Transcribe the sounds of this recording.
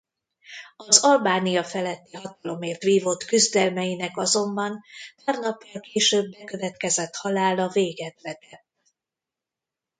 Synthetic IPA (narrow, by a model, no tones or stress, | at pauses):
ɒzɒlbaːnijɒfɛlɛt̪ːiɦɒt̪ɒlo̞meːrt̪ʋiːvo̞t̪kyzd̪ɛlmɛjinɛkɒzo̞mbɒnt̪ɛrnɒpːɒlkeːʃøːbːɛkø̞vɛt̪kɛzɛt̪hɒlaːlɒveːɡɛt̪vɛt̪ɛt̪ː